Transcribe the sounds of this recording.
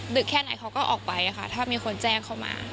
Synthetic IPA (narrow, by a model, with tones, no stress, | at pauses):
dɯ˨˩kʰːɛː˥˩na˨˩˦jkʰa˨˧˥wkɔː˥˩ʔɔ̰ː˨˩k̚pa˧jʔa˨˩kʰa˥˩t̪ʰaː˥˩miː˧kʰo˧nt͡ɕɛː˥˩ŋkʰa˥˩wma̰ː˧